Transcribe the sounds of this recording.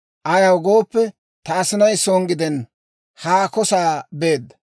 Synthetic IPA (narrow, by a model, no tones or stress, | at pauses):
ʔɐjɐwɡo̞ːpːɛ | t̪ɐːsɪnɐjsoːŋɡɪd̪ɛn | haːkɔsaːbe̞ːd̪ːɐ